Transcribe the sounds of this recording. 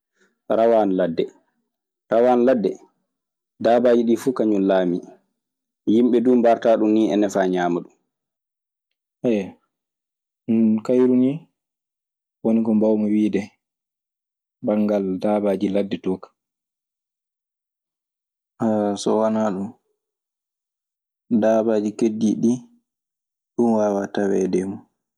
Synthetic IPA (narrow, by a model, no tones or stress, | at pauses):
ɾawaːnladːɛ | ɾawaːnladːɛ | daːbaːd͡ʒiɗifuːkaɲunlaːmi | jimɓɛduːmbaɾtaːɗunːiɛ̰nɛfaːɲaːmaɗum | ɛj | kajɾuni | wonikɔmbawmɔwiːdɛ | baŋɡaldabaːd͡ʒiladːɛtɔːkḁ | ʔasɔwanaɗum | daːbaːd͡ʒikedːiɗi | ɗunwaːwatawɛ̰dɛmu